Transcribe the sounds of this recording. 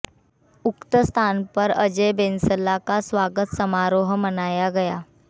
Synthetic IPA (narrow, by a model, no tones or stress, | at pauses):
ukt̪əst̪ʰanpəɾəd͡ʑebensəlakasʋaɡət̪səmaɾoɦmənajaɡəja